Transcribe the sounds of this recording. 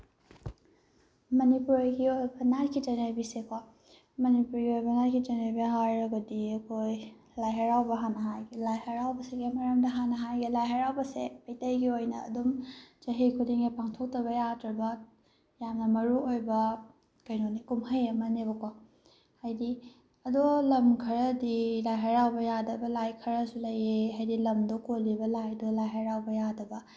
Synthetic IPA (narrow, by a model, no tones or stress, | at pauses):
mɐnipuɾɡiojbɐnaɾkʰitanejbisekʰwa | mɐnipuɾɡiojbɐnaɾkʰitaneɾbiɦajɾɐɡɐdiɐkʰoj | lajɦɐɾawbɐɦanɐɦajɡelajhɐɾawbɐseɡemɐɾɐmdɐɦanɐɦajɡelajɦɐɾawbɐsepɐjtɐjɡiojnɐ̰ːdumt͡ʃɐɦikʰudiŋepaŋtʰok̚tɐβɐjadɾɐbɐ | jamnɐmɐɾuojbɐ | kɐjnonikumhɐjɐmɐneβɐkʰwa | hajdi | ɐdolɐmkʰɐɾɐdilajɦɐɾawbɐjadɐbɐlajkʰɐɾɐsulɐjeɦajdilɐmdokolibɐlajdolajɦɐɾawbɐjadɐbɐ